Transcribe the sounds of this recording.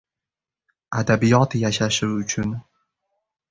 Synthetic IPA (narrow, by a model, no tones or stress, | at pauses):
ad̪abijɒt̪jaʃaʃuʊt͡ʃʰʊn